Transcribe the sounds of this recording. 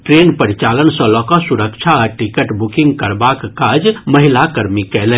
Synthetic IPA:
ʈɾeːnpəɾɪt͡ʃaːlənsə̃lɔːkasʊɾəkʃʰaɔɾʈikəʈbʊkɪ̃ŋɡ̚kɐɾbaːkkaːd͡ʒmɐɦɪlakɐɾmikɛːlẽː

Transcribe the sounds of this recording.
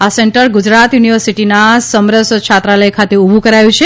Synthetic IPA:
asɛɳʈəɾɡud͡ʒɾat̪juniʋəɾsiʈinasəmɾəsət͡ʃʰat̪ɾaləjkʰat̪eubʱũkəɾajũt͡ʃʰe

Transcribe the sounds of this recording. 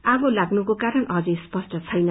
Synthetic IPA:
aɡolaɡnukokaɾʌnʌd͡zʌjspʌsʈʌt͡sʰʌjnʌ

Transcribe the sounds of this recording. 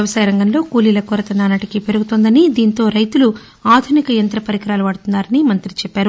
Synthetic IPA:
ɐʋɐsɐːjɐɾɐŋɡɐnlo̞ːkuːlilɐkoːɾɐt̪ɐnaːnɐʈikipe̞ɾuɡut̪oːnd̪ɐnid̪iːnt̪o̞ːɾɐjt̪ulu | aːd̪ʱunikɐjɐnt̪ɾɐpɐɾikɐɾaːluʋɐːɽut̪unːaːɾɐnimɐnt̪ɾit͡ʃɛpːaːɾu

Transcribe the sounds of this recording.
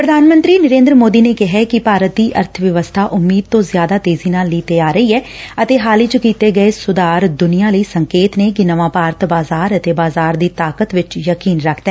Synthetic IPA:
pɾəd̪ʱaːnmə̃nt̪ɾiːnəɾẽːnd̪ɾmoːd̪iːneːkɪɦɛkɪpaːɾət̪̚d̪iːʔəɾt̪ʰʋjəʋəst̪ʰaːʔʊmːiːd̪̚t̪õːzɪjaːd̪aːt̪eːziːnaːlːiːt̪eːaːɾəiːɛːət̪eːɦaːliːt͡ʃəkiːt̪eːɡəeːsʊd̪aːɾd̪ʊnijãːləiːsəŋkeːt̪neːkɪnəʋãːpaːɾət̪baːzaːɾət̪eːbaːzaːɾd̪iːt̪aːkət̪ʋɪt͡ʃjəkiːnɾəkʰd̪ɛː

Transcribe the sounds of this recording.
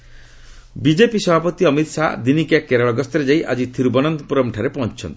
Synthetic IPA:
bid͡ʒepisɔbʱapɔt̪iɔmit̪sad̪inikjakeɾɔɭɔɡɔst̪ɔɾed͡ʒajʔad͡ʒit̪ʰiɾubɔnɔnt̪ɔpuɾɔmʈʰaɾepɔɦɔnt͡ʃʰɔ̰nt̪i̥

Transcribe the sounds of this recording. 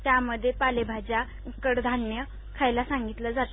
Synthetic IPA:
t̪jaməd̪ʱːjepalebʱad͡ʑa | ukəɽd̪ʱanjə | kʰajlasãŋɡit̪ləd͡zat̪

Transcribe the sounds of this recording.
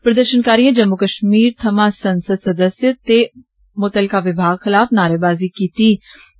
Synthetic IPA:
pɾɐd̪əɾʃənkaːɾijẽd͡ʒɐmːukəʃmiːɾt̪ʰɐmasɐ̃nsəd̪sɐd̪əsjət̪e | moːt̪əlkaʋɪbʱaːɡxɪlaːfnaːɾebaːzikiːt̪i

